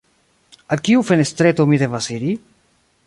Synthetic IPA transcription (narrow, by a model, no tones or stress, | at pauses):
akiufenest̪ɾet̪omiðevaseɾi